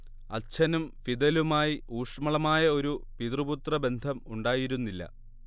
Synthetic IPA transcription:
ɐ̰t͡ɕʰɐnumfid̪ɐlumaːjiuːʂmɐɭɐmaːjɐo̞ɾupiðrɨbut̪rɐbe̞nd̪ʱɐmuɳɖaːjiɾunːilːɐ̰

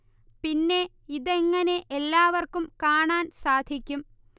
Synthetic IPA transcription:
pinːe̞ | iðeŋːɐne̞ʔelːaːʋɐrkumkaːɳaːnsaːd̪ʱikʲːum

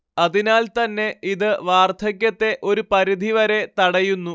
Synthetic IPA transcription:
ɐðinaːlt̪ɐnːe̞iðɨʋaːrt̪ʰɐkʲːɐt̪ːe̞ʔo̞ɾupɐɾid̪ʱiʋɐɾe̞t̪ɐɽɐjunːu

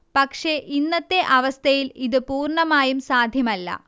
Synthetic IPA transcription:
pɐkʂe̞ʔinːɐt̪ːe̞ʔɐʋɐst̪ʰɐjiliðɨpuːrɳɐmaːjumsaːd̪ʱjɐmɐlːɐ̰

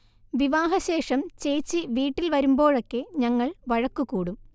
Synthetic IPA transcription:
ʋiʋaːɦɐɕe̞ːʂɐmt͡ɕe̞jt͡ɕːɨʋiːʈːilʋɐɾumbo̞ːɻo̞kːe̞ɲɐŋːɐɭʋɐɻɐkːukuːɽum

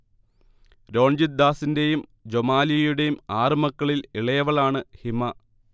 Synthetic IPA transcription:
ɾo̞ːɳd͡ʑid̪ːaːsinde̞jumd͡ʑomaːlijɐjuɽe̞jumaːrɨmɐkːɐɭiliɭɐjɐʋɐɭaːɳɨhimɐ

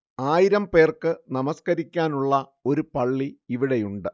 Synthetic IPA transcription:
aːjiɾɐmpe̞ːrkɨnɐmɐskɐɾikʲːaːnuɭːɐo̞ɾupɐɭːiːʋiɽejuɳɖɨ

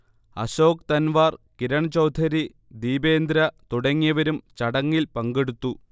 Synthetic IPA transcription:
ɐ̰ɕo̞ːkt̪ɐnʋaːrkiɾɐɳt͡ɕɐwd̪ʰʱɐɾi | d̪iːbeːnd̪ɾɐt̪uɽɐŋːijɐʋɐɾumt͡ɕɐɽɐŋːilpɐŋɡeɽut̪ːu

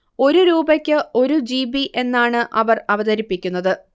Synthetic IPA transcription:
o̞ɾuɾuːbɐkʲːɨo̞ɾud͡ʑiːbiʔe̞nːaːɳɨʔɐʋɐrɐʋɐðɐɾipːikʲːunːɐðɨ

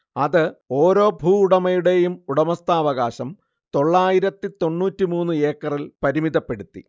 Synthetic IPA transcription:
ɐðɨo̞ːɾo̞ːbʱuːuɽɐmɐjuɽe̞jumuɽɐmɐst̪aːʋɐɣaːɕɐm | t̪o̞ɭːaːjiɾɐt̪ːit̪o̞ɳːuːtːimuːnːɨe̞ːkːɐrilpɐɾimiðɐpːe̞ɽut̪ːḭ

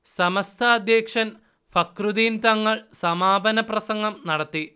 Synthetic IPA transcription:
sɐmɐst̪ʰɐːd̪jeːkʂɐn | fɐkrud̪iːnt̪ɐŋːɐɭsɐmaːbʱɐnɐprɐsɐŋɡɐmnɐɽɐt̪ːi

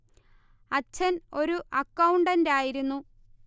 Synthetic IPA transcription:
ɐt͡ɕːɐno̞ɾuʔɐkːɐwɳɖɐndeaːjiɾunːu

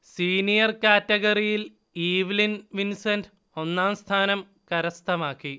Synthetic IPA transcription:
siːnijɐrkaːtːɐɣɐrijil | iːʋilinʋinsɐnɖɨ | o̞nːaːmst̪ʰaːnɐm | kɐɾɐst̪ʰɐmaːkːi

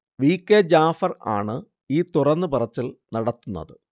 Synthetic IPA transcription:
ʋiːkːed͡ʑaːfɐra̰ːɳɨ | iːt̪urɐnːɨpurɐt͡ɕːilnɐɽɐt̪ːunːɐ̰ðɨ

